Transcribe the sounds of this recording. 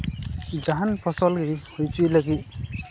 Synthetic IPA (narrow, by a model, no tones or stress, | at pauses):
d͡ʒaɦanpʰɔsɔlɡɾihojtujlaɡi